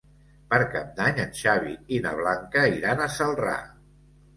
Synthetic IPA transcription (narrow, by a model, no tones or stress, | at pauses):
pəɾkap̚d̪aɲənʲʃaβḭina̰β̞laŋkəiɾanəsəlˠra̰